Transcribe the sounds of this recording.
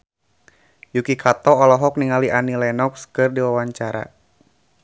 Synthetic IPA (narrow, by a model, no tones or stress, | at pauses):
jukikʰat̪ɔːlɔɦɔk̚niŋaliʔanilɛnɔkskɨrdiwawaɲt͡ʃaɾa̰